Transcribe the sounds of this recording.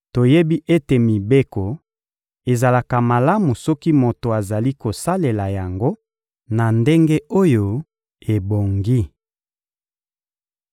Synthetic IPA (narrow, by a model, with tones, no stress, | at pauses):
to˨je˦bi˦ʔe˦te˨mi˨be˦kɔ˨ | e˨za˨la˨ka˨ma˨la˦mu˨sɔ˦ki˦mo˨to˨a˨za˨li˦ko˨sa˦le˨la˨ja˨ŋɡo˦ | na˨nde˦ŋɡe˦o˦jo˨ | e˨bo˨ŋɡi˦